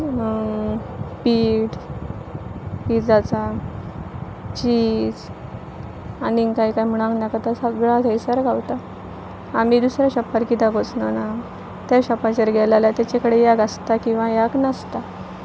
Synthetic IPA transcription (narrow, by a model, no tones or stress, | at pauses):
piːʈ | pid͡zat͡sa | t͡ɕiːd͡z | aniŋkaikajm̤əɽ̃ãŋknakat̪asaɡəɭat̪əjsəɾɡʱawt̪a | amiːd̪usɾjaɕɔpːəɾkit̪aɡot͡snana | t̪jaɕɔpat͡ɕəɾɡʱɛlalat̪jat͡ɕakəɽejaɡast̪akĩw̃ʋãjaɡnast̪a